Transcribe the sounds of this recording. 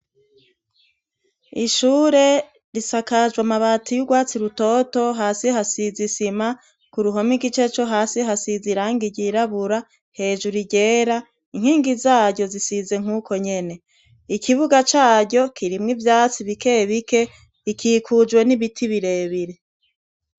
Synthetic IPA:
iʃuːɾe̞ | ɾisakaʒwamaβatʰijuɡwaːt͡siɾuto̞ːto̞ɦaːsihasizisima | kuɾuɦo̞miɡit͡ʃe̞t͡ʃo̞ɦaːsiɦasiziɾaːŋɡiɟiɾaβuɾa | he̞ːʒuɾiɟe̞ːɾa | iŋ̥hiːŋɡizaːɟo̞zisize̞ŋ̥uːko̞ɲe̞ne̞ | ikʰiβuɡat͡ʃaːɟo̞kʰiɾimŋivjaːt͡siβike̞βike̞ | ikʰiːkʰud͡ʒwe̞niβitʰiβiɾe̞ːβiɾe̞

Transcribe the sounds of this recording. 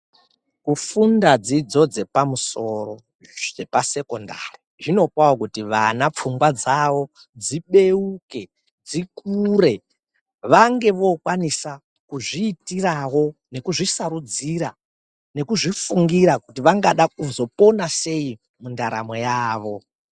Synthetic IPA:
kufundad͡zid͡zo̞d͡ze̞pamuso̞ro̞ | epase̞konda̰ri | ʐino̞kwawokutiʋanap͡fuŋɡwad͡zaʋo̞ | d͡ziɓe̞uke̞ | d͡zikure̞ | ʋaŋɡe̞ʋo̞kwanisa | kuʐiːtirawo̞ne̞kuʐisaɾud͡ziɾa | ne̞kuʐifuŋɡiɾakutiʋaŋɡaɗakuzo̞po̞nase̞i | mundaɾa̰mojaːʋo̞

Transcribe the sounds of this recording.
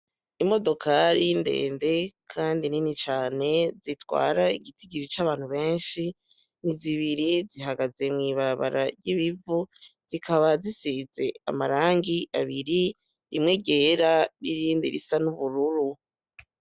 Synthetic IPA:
imo̞do̞kʰaɾindḛːnde̞kʰaːndininit͡ʃaːne̞zitwa̰ːɾaiɡitiɡiɾit͡ʃaβaːn̥huβe̞ːnʃi | niziβiɾiziɦaɡaze̞mŋiːβaɾaβa̰ɾa̰ɾɟiβivuz̥ikʰaβazisize̞a̰maɾaːŋɡiʔaβiɾi | ɾimŋe̞ɡe̞ɾaɾiɾiːndḭɾḭsanuβuɾuɾu

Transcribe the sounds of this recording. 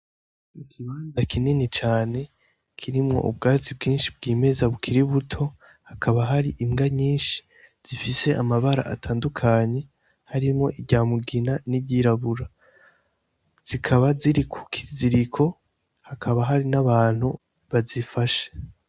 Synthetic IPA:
ikiβaːnzakininit͡ʃaːne̞ | kʰiɾimŋo̞̰ʔṵb̚ɡaːt͡sibɡiːnʃib̚ɡiːme̞zaβukʰiɾiβutʰo̞ | hakʰaβaɦaɾiʔimɡaɲiːnʃi̥ | z̥ifise̞ʔamaβaɾa̰ʔa̰tʰaːndukʰaɲe̞ | haɾimŋo̞ʔiɟaːmuɡinaniɟiɾaβuɾa | z̥ikʰaβaziɾikʰu̥kʰi̥ziɾikʰo̞ | hakʰaβaɦaɾinaβaːn̥hu | βazifaʃe̥

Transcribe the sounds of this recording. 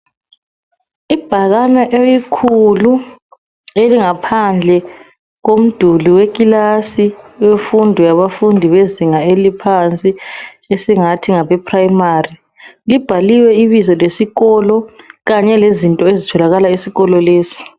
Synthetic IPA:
ib̥ʱaɣanaʔejikʰulu | eliŋapʰand͡ɮʱɛ | ɣom̩d̥ʱuliwek̬ʼilasiwefundʱijaβafundʱiβeziŋaelipʰant͡sʼi | esiŋatʰiŋaβɛpʰrajmari | lib̥ʱaliwɛiβizɔlesiɣɔlɔɣaɲɛlezintʼɔezitʰɔlaɣalaisiɣɔlɔleːsi̥

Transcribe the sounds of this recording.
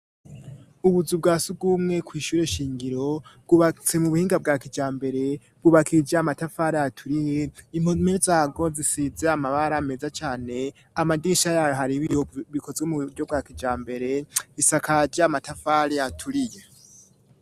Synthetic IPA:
uβuzub̚ɡaːsub̚ɡuːmŋe̞kwiːʃuːɾe̞ʃiːŋɡiɾo̞bɡ̥uβat͡se̞muβuhiːŋɡab̚ɡaːkid͡ʒaːmbe̞ɾe̞ | bɡuβakʰid͡ʒamatafaɾejatʰuɾije̞im̥onmeɾzaːɡo̞zisizeamaβaɾame̞zat͡ʃaːne̞ | amadiʃajaɦaɾiβijoβikʰo̞zɡemuɟob̚ɡakid͡ʒaːmbe̞ɾe̞isakad͡ʒamatafaɾejatʰuɾije

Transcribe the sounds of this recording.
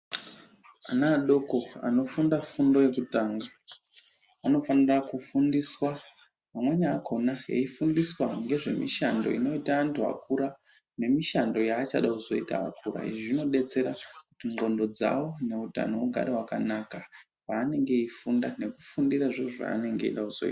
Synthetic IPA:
anaːɗo̞ko̞a̰no̞fundafundo̞je̞kutaːŋɡa | ano̞fanirakufundiswa | mamwe̞ɲaːkʰo̞najḛifundiswaŋɡe̞ʐe̞̰miʃando̰ino̞itaːntʰua̰kuɾa | ne̞miʃando̞jaːt͡ʃaɗakuzo̞ita̰a̰kuɾa̰ḭʐino̞ɗe̞t͡se̞ɾakutiŋɡo̞ndo̞d͡za̰wo̞ne̞uta̰no̞uɡʱa̰ɾewakanaka | waːne̞ŋɡe̞ifundane̞kufundiɾaʐeʐa̰ːne̞ŋɡe̞ḭɗakuzo̞̰ḭta

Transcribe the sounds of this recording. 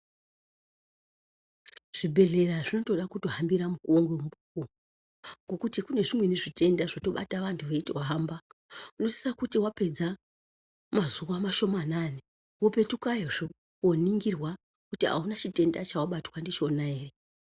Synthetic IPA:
ʐ̥ibʱe̞ɮe̞raʐino̞to̞ɗakuto̞ɦambiɾamukoŋɡembuku | ŋɡokutikune̞ʐimwe̞neʐite̞ndaʐoto̞ɓa̰taʋantʰuʋe̞itoɦambauno̞sisakutiwape̞d͡za | mazuwamaʃo̞manane | wope̞tukaeʐo | oniŋɡirwa | kutia̰unat͡ʃite̞ndat͡ʃawaɓatwandit͡ʃo̞nae̞ːre

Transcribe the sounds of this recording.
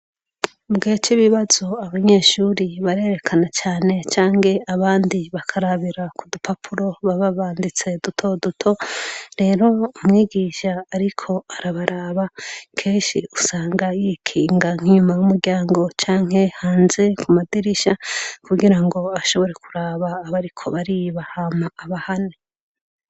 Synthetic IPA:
ubɡit͡ʃiβiβazo̞aβaɲe̞ʃuːɾiβaɾe̞ːɾe̞kʰanat͡ʃaːne̞t͡ʃaːŋɡe̞aβaːndiβakʰaɾaβiɾakudupʰapʰuɾo̞βaβaβaːndit͡se̞dutʰo̞dutʰo̞ɾe̞ːɾo̞umŋiːɡiʃaːɾikʰo̞aɾaβaɾaːβakʰe̞ːnʃiusaːŋɡajikʰiːŋɡaŋ̥hiɲumajwumuɾɟaːŋɡo̞t͡ʃaːŋ̥he̞haːnze̞kumadiɾiʃakuɡiɾaŋɡo̞aʃo̞βo̞ɾe̞kuɾaːβaːβaɾikʰo̞̰βaɾiβahamaːβahane

